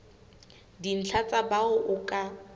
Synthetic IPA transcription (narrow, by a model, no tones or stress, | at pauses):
din̩t͡ɬʰat͡sʼabaʊʔʊkʼa